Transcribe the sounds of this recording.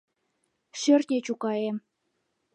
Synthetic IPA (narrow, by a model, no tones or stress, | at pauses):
ʃørt̪nʲet͡ɕukɑem